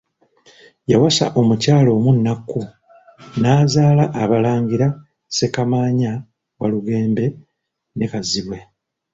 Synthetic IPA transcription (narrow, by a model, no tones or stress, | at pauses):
jawasa̰ʔo̞mucaːlo̞ːmunːakːu | naːzaːlaʔːβalaːɲɡiɾa | se̞kamaːɲa | waluɡe̞ːmbe̞ | ne̞kaziβwe̞